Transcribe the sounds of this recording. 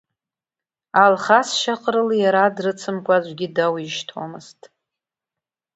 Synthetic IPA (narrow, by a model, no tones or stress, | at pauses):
alχasʃaqʼɾɨljaɾadrɨt͡sʰɨmkʷʼad͡ʒʷɡʲidawiʃtʰo̰mɨztʼ